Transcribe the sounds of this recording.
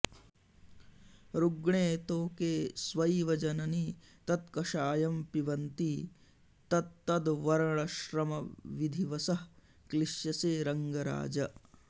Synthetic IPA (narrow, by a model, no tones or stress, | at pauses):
ɾuɡɳeːt̪oːkeːsʋɐjʋɐd͡ʒɐnɐnit̪ɐt̪kɐʃaːjɐmpiʋɐnt̪i | t̪ɐt̪ːɐd̪ʋɐɾɐɭɐʃɾɐmɐʋid̪ʱiʋɐsɐh | kliʃjɐseːɾɐŋɡɐɾa̰ːd͡ʒɐ